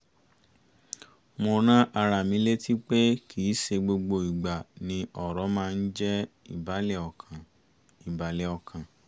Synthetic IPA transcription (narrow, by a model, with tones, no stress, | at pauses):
mo˧nã˦ʔa˧ɾa˧˨mĩ˨˦le˦ti˦k͡pe˦kʰiː˨˦ʃe˧ɡ͡bo˧ɡ͡bo˧i˨ɡ͡ba˨nĩ˧ɔ˨ɾɔ˨˦mãː˦˧n̩˦d͡ʒɛ˦ | i˨ba˨˦lɛ˦˨ɔ˨kʰã˨ | i˨ba˨lɛ˨˦ɔ˧˨kʰã˨